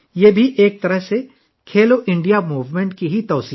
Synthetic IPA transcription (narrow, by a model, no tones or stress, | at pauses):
jeːbʱiʔeːk̚t̪ɐɾəɦse | kʰeːloʔɪ̃ɳɖijamuːʋmẽɳʈ̚kiɦit̪ɔːsiː